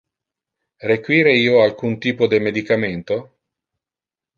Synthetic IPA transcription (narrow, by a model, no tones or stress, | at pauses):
rekwiːɾeiːoalkunt̪iːpod̪emed̪ikament̪o